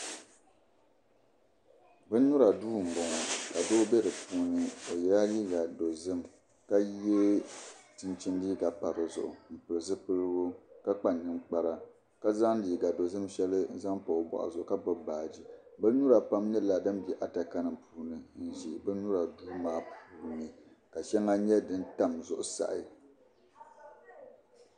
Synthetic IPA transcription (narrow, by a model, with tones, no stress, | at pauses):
bɨ˦n˦nu˦ɾa˨duː˦˨m̩˨bɔ˨ŋɔ˨ka˨do˦bɛ˦dɨ˨pʰuː˦nɨ˨o˨jɛ˨ɾa˦liː˦ɡa˨do˨zɨ˦m | ka˦e˦tɨ˦nt͡ʃi˦nliː˦ɡa˨pa˨ɾɨ˨zʊ̰˨ʔʊ̰˨m̩˨pɨ˨lɨ˨zɨ˦pɨ˦lɡo˦ka˦k͡pa˦˨nːɨ˦ŋk͡pa˦ɾa˨ | ka˦za˦ŋliː˨ɡa˨do˨zɨ˦mʃɛ˦lɨ˦za˦ŋpa˨bɔ̰˨ʔa̰˨zʊ˨ʔʊ˨˦ka˦bɔ˦baː˨d͡ʒi˦bɨ˦lnu˦ɾa˨pa˦mɲɛ˦la˨dɨ˦mbɛ˨ʔa˨ta˨ka˦nɨ˨mpuː˦nɨ˨n̩˨ʒi˨bɨ˦nu˦ɾa˨duː˦maː˦puː˦nɨ˨ | ka˨ʃɛ˦ŋa˦ɲɛ˦dɨ˦n˦ta˦mzʊ˦ʔʊ˨sa̰˨ʔɪ˨